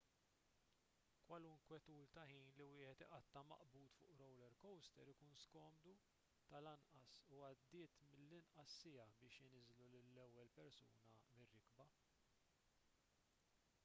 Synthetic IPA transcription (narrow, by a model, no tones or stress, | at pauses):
kwɐluŋkwɛt̪uːlt̪ɐħiːnliwɪːħɛt̪ɪʔɐt̪ːɐmɐ̰ʔbuːt̪fʊ̰ːʔɾɔwlɛɾkɔwst̪ɛɾɪkuːnskɔːmd̪u | t̪ɐlɐnʔɐsuɐd̪ːɪːt̪mɪlːɪnʔɐsːɪjɐbɪːʃɪnɪzlulɪlːɛwːɛlpɛɾsuːnɐmɪrːɪkbɐ